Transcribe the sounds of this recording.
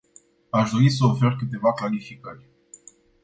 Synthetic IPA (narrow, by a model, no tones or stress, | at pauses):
aʃd̪o̞ɾis̬əofe̞rkɨt̪e̞vaklalifikəɾʲ